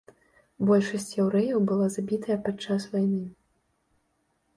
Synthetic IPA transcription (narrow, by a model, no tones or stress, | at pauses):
bɔlʲʂɐsʲt͡sʲjɛwɾɛjɐwbɨlˠazabʲit̪ɐjɐpat͡ʂːasvajnɨ